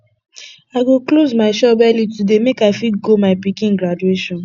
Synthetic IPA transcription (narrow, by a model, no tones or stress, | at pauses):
aɡoklozmaɪʃɔbaljutudemekaɪfiɡomaɪpikĩŋɡɾadueʃɔ̃n